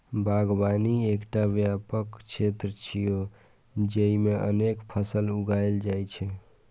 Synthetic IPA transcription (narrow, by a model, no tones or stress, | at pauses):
bʱaɡbaniekʈabjapəkt͡ʃʰet̪ɾət͡ʃʰijo | d͡ʒeimeʔə̰nekpʰəsəluɡajld͡ʒajt͡ʃʰɛ